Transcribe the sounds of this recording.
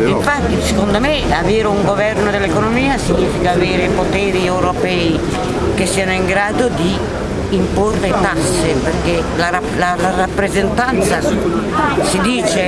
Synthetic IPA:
iɱfat̪ːisekond̪omɪaveːɾuŋɡovɛrnod̪elːekonomiːasiɲːiːfikaːveːɾepot̪ɛːɾiɛwɾopɛj | kesːiːanoiŋɡɾaːd̪od̪iː | mporːeit̪asːeperke | laɾalalarapːɾezent̪ant̪sa | sid̪iːt͡ʃe

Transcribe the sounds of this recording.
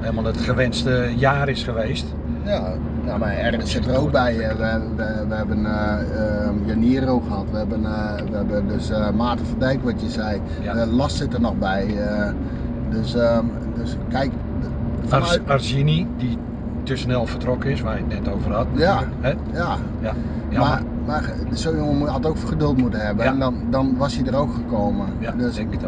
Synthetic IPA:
helˠmalˠətχəʋɛnstəjaːɾɪsχəʋeːst | ja | jamaɛrɣənsɪtərowk̚bɛjʋʋ | ʋəhɛbən | joniəroxəhatʋəhɛbən | ʋəɛbədøsmaːtəfədɛjkʋɔtjəsɛj | əlɔstsɪtərnɔxbɛjə | døsə | døskɛjk | fɔnarsinidi | tøsnɛlˠfərtrokəɪsʋajətnɛtowvərhatja | ja | ma | mar | soːjoŋəmatowkfxədølˠtmutəhɦɛbəɛndɔndɔnʋɔsjədərowkxəkoːmə | døs

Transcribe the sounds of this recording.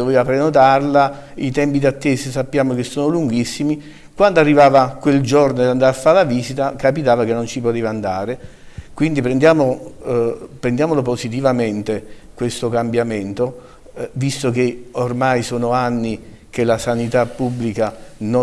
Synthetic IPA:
d̪oveːvapɾenot̪̬arla | it̪ɛmpid̪at̪ːeːsesapːjaːmok̟esːoːnoluŋɡisːimi | kwand̪oarːivaːvakweld͡ʒornod̪and̪aɾafːalaviːsit̪akapit̪aːvakenːont͡ʃipot̪eːvaːnd̪aːɾe | kwind̪ipɾend̪jaːmo | pɾend̪jaːmoloposit̪̬ivament̪e | kwest̪okambjament̪o | vist̪okeormajsoːnoanːi | k̟elasanit̪apːubːlikano

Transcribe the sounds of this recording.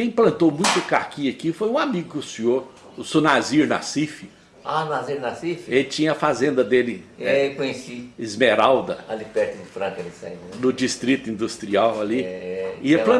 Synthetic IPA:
kẽj̃plɐ̃nt̪owmũj̃t̪ɐkaɾkiɐkifojũamiɡʊkʊsĩoɾ | ʊsonaziɾna̰sifɪ | anaziɾnasifelɪt͡ʃĩɲɐɐfazẽnd̪ɐd̪elɪɛɛkõjesiɪzmeɾawd̪ɐalipɛɾt̪ʊd͡ʒɪfɾãkɐɾisa̰d̪ʊd͡ʒist̪ɾit̪ʊĩnd̪ust̪ɾiawɐliɛiplɐ̃

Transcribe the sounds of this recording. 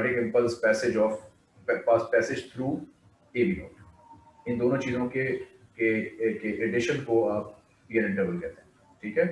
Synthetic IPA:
əʈɪ̃kɪ̃mpəlspɛːsed͡ʒɔːf | ɛpaːspɛːsɪd͡ʒt̪ʰɾuː | eːbiɦõ̰ːʈ | ɪ̃nd̪oːnõt͡ʃiːzõke | kekeʔeɖɪʃə̃nkoaːp̚ | piːənɪ̃ɳʈebəlkɛɾt̪eɦɛ̃ | ʈʰiːkɦɛː

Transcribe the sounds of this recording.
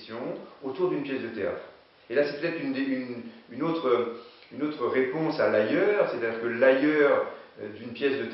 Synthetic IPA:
sjɔ̃ot̪uʁd̪ynpjɛsd̪ət̪ea̰t̪χ | elasɛpø̥t̪ɛt̪χynd̪eynynot̪χə | ynot̪χəʁepɔ̃salajœːʁset̪ad̪iʁkəlajœːʁød̪ynpjɛsd̪ət̪

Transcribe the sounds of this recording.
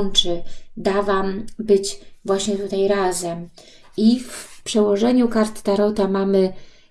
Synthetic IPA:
nt͡ʂɘd̪avambɘd͡ʑvwaɕɲɛt̪ut̪ajɾazɛm | iffpʂɛwɔʐɛɲukaɾt̪t̪aɾɔt̪amamɘ

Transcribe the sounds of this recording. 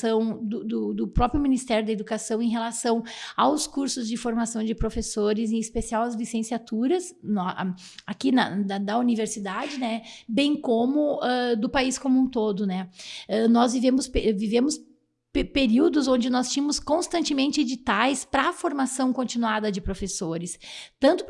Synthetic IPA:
ɐ̃w̃d̪ʊd̪ʊd̪ʊpɾɔpɾjʊminist̪ɛɾjʊd̪ɐed̪ukasɐ̃w̃ẽj̃ɦelasɐ̃w̃awskuɾsʊzd͡ʒɪfoɾmasɐ̃w̃d͡ʒɪpɾofesoɾɪzẽispesiawɐzlisẽsiat̪uɾɐsnɔʔ | akinɐ̰d̪ɐd̪ɐuniveɾsid̪ad͡ʒɪnɛbẽj̃kõmʊɛd̪ʊpaiskomũt̪od̪ʊnɛɛnɔzvivẽmʊspevivẽmʊs | ppeɾiwd̪ʊzõd͡ʒɪnɔst͡ʃĩmʊskõst̪ɐ̃nt͡ʃɪmẽnt͡ʃɪed͡ʒit̪ajspɾɐːfoɾmasɐ̃w̃kõnt͡ʃinuad̪ɐd͡ʒɪpɾofesoɾɪst̪ɐ̃nt̪ʊ

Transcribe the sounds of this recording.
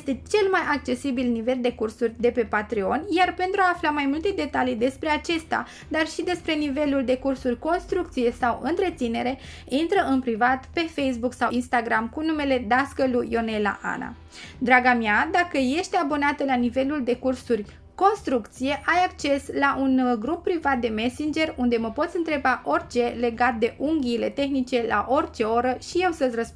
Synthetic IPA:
jest̪e̞t͡ʃe̞lmajʔak̚t͡ʃe̞sibilnive̞ld̪e̞kursurʲd̪e̞pe̞pat̪ɾio̞njarpent̪ɾuaːflamajmult̪e̞d̪e̞t̪alijd̪e̞spɾe̞at͡ʃe̞st̪a̰ | d̪arʃid̪e̞spɾe̞nive̞luld̪e̞kursurʲko̞nst̪ɾuk̚t̪sije̞sawɨ̰nt̪ɾe̞t̪sine̞ɾe̞ | int̪ɾəʔɨnpɾivat̪pe̞fejs̬buksawinst̪aɡɾamkunume̞le̞d̪askəlujo̞ne̞la̰ʔa̰na̰ | d̪ɾaɡamjad̪akəje̞ʃt̪eabo̞nat̪əlanive̞luld̪e̞kursurʲ | ko̞nst̪ɾukt̪sije̞ʔajak̚t͡ʃe̞slaʔunɡɾupːɾivat̪̚d̪e̞me̞sind͡ʒe̞rund̪e̞məpo̞t̪sʲɨnt̪ɾe̞baʔo̞rʲt͡ʃe̞le̞ɡat̪̚d̪e̞ʔuŋɡʲiːle̞t̪e̞xnit͡ʃe̞la̰ʔo̞rʲt͡ʃe̞o̞ɾəʃije̞wsəsʲrəspu

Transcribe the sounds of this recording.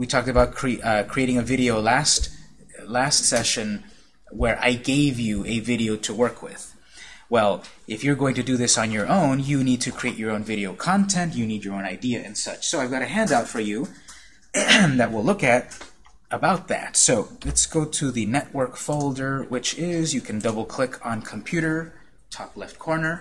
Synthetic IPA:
witʰɔk̚tɨbaʊt̚kʰɹ̥ikʰɹ̥ieɪɾɪ̃ŋɨvɪɾioʊlæst | læstsɛʃɨ̃n | wə˞ʔa̰ɪɡeɪvjɨɨvɪɾioʊɾəwɜ˞kʰwɪð̥ | wɛlˠ | ʔɨfjə˞ɡoʊɪ̃ŋtʰɨdɨðɪsn̩jə˞ʔõʊ̃njɨnid̚tʰɨkʰɹ̥ieɪt͡ʃə˞õʊ̃nvɪɾioʊkʰɑ̃ntʰɛ̃ntɨnid͡ʒə˞õʊ̃naɪdiɨʔɨ̰̃nsʌ̰t͡ʃsoʊaɪvɡɑɾɨɦæ̃ndaʊtfə˞jʉ | ðɨt̚wɪlʊkɨɾ | əbaʊt̪̚ðæ̰tsoʊlɛtsɡ̥oʊɾɨðɨnɛʔ̚wɜ˞kfoʊlˠdə˞wɪt͡ʃɪzjɨkʰɨ̃ndʌbl̩ˠkʰl̥ɪkʰn̩kʰm̩pʰj̥ʉɾə˞ | tʰɔklɛft̚kʰɔɹnə˞

